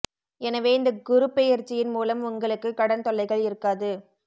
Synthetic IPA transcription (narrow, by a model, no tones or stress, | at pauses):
ɛnɐʋeːɪnd̪ɐɡʊɾɯpːɛjɐɾt͡ʃːɪjɪnmuːlɐmʊŋɡɐɭɯkːɯkːɐɽɐnt̪ɔɭːɐɪɣɐɭɪɾɯkːaːðɯ